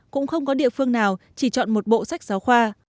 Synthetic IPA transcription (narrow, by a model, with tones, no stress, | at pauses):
kʊ̰˧˥ŋ͡mxə˧wŋ͡mkɔ˨˦ɗḭ˧˨əfɨ˧əŋnaː˨˩wt͡ɕi˧˩t͡ɕɔ̰˧˨nmo˨˩t̚ɓo̰˧˨sa˦˥jk̟̚zaː˨˦wxwaː˧